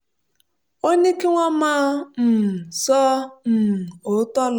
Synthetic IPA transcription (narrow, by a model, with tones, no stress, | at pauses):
o˦ɲe˦ke˦ŋʷa˦ma˦m̩˨sɔː˦m̩˨o˨˦tɔ˦l